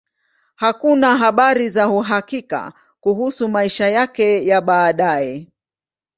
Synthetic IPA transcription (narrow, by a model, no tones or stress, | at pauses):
hakunaɦaɓaɾizahuɦakika̰ | kuhusumaiʃajakɛjaɓaːɗajɛ